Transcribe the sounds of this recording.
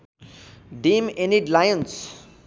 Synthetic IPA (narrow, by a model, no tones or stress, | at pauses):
ɖimeniɖlajəns